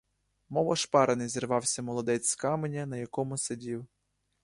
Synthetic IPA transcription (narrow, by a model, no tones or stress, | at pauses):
mɔʋɐʃpɑɾɐnɪjzirʋɑwsʲɐmɔlˠɔd̪ɛt͡sʲkɑmenʲɐnɐjɐkɔmʊsedʲiw